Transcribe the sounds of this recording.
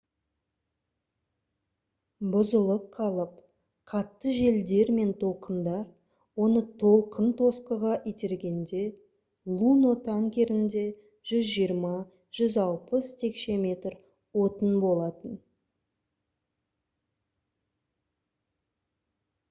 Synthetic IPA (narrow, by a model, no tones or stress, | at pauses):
bʊzəlˠəp̚qʰɑlˠəp | qʰɑt̪ːəʒe̞ld̪e̞ɾme̞nt̪ʰo̞lˠqənd̪ɑɾ | wo̞nət̪ʰo̞lˠqənt̪ʰo̞sqəʁɑʔit̪e̞ɾɡʲe̞nd̪e̞ | lˠunot̪ʰɑŋkʲe̞ɾɪnd̪e̞ | ʒ̥ʏzʒijəɾmɑ | ʒ̥ʏzɑlˠpəst̪ʰe̞kʃe̞mʲe̞t̪r | wo̞t̪ənbo̞lˠɑt̪ən